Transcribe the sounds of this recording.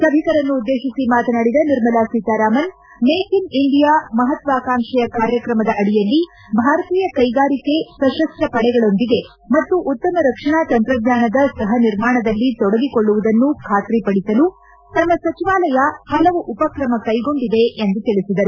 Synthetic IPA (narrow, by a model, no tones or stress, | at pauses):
sɐbʱikɐɾɐnːuːd̪ːeːʃisimaːt̪ɐnaːɽid̪ɐniɾmɐlaːsiːt̪aːɾaːmɐn | meːkiniɳɖijaːmɐɦɐt̪ʋaːkaːŋʂɐjɐkaːɾjɐkɾɐmɐd̪ɐʔɐɽijɐlːi | bʱaːɾɐt̪iːjɐkɐjɡaːɾike̞sɐʃɐsʈɐpɐɽɛɡɐɭo̞nd̪iɡe̞ | mɐt̪ːuʔut̪ːɐmɐɾɐkʂɐɳaːt̪ɐnt̪ɾɐɡ̪ɲaːnɐd̪ɐsɐɦɐniɾmaːɳɐd̪ɐlːit̪ɔɽɐɡikoɭːuʋud̪ɐnːukʰaːt̪ɾipɐɽisɐlu | t̪ɐmːɐsɐt͡ʃiʋaːlɐjɐhɐlɐʋuʔupɐkɾɐmɐkɐjɡo̞ɳɖid̪e̞ʔend̪ut̪iɭisid̪ɐɾu